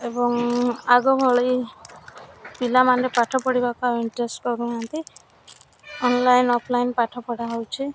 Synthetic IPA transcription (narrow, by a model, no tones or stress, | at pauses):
ebɔŋaɡɔbʱɔɭi | pilamanɾepaʈʰɔpɔɽibakuaiɳʈɾesʈkɔɾuant̪i | ɔnlajnɔpʰlajnpaʈʰɔpɔɽaɦowt͡ʃʰi